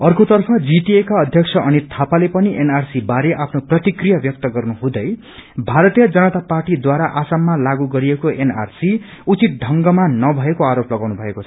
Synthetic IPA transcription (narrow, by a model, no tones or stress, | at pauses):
ʌrkot̪ʌrpʰʌd͡ziʈiekaʌd̪ʱjʌksʰʌʔʌnit̪ʰapalepʌniʔenarsibaɾeʔapʰnoprʌt̪ikrijabjʌk̚t̪ʌɡʌrnuɦũd̪ʌj | bʱaɾʌt̪ijʌd͡zʌnʌt̪aparʈid̪waɾaʔasamːalaɡuɡʌɾiekoena̰rsi | ut͡sit̪̚ɖʱʌŋɡʌmanːʌbʱʌekoaɾoplʌɡawnubʱʌekot͡sʰʌ̥